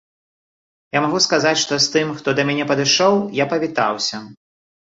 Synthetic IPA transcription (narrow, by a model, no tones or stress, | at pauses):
jamaɣuskazat͡sʲʂt̪ɔst̪ɨmxt̪ɔd̪ɐmʲanʲɛpɐd̪ɨʂɔwjapɐvʲit̪a̰wsʲɐ